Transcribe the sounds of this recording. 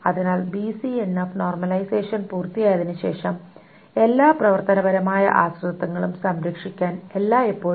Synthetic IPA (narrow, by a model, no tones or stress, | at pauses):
ɐðinaːlbisienːɐfno̞ːrmɐlɐjse̞ːʂɐnpuːrt̪ijaːjɐðinɨɕe̞ːʂɐm | e̞lːaːprɐʋɐrt̪ɐnɐbɐɾɐmaːjɐ̰ʔaːsrut̪ːɐŋːɐɭumsɐmɾɐkʂikʲːaːne̞lːaːipːo̞ː